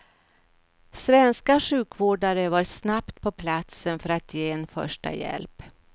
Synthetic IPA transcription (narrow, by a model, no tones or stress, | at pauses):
svɛnskaɧʉ̟ːkvoːɖaɾəvaɾsnapt̪pʰɔpʰlat̪sənfœɾat̪ʰjeːɛnfœ̰ʂʈa̰jɛ̰lp